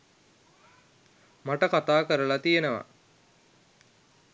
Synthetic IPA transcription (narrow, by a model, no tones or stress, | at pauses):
maʈəkat̪aːkəɾəlat̪ijenəʋa̰